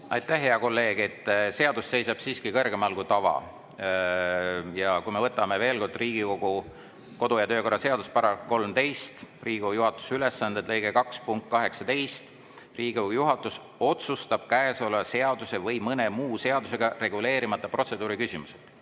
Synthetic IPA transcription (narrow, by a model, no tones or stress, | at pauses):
ʔɑ̰jt̪ːˑæhːeɑko̞lːe̞ːɡ̥et̪ːse̞ɑd̪̥usse̞jsɑb̥siːskikɤ̞rɡe̞mɑlɡut̪ɑvɑ̰ | jɑkujme̞vɤt̪ːˑɑme̞ve̞ːlko̞rd̪̥riːɡ̥iko̞ɡ̥u | ko̞d̪ujɑt̪øːko̞rːɑse̞ɑd̪̥uspɑɾɑko̞lmt̪e̞jst̪riːɡiojuɦɑt̪ːˑu̥syle̞sːɑnd̪̥et̪lɤ̞jɡe̞kɑkspuŋkt̪̚kɑɦe̞ksɑt̪e̞jst̪ | riːɡojuɦɑt̪ːˑus | o̞t̪sust̪ɑb̥̚kæeso̞lːɑse̞ɑd̪use̞vɤjmɤne̞muːse̞ɑd̪use̞ɡ̥ɑre̞ɡule̞ːɾimɑt̪ːˑɑpro̞t̪se̞d̪uːɾikysʲimuset̪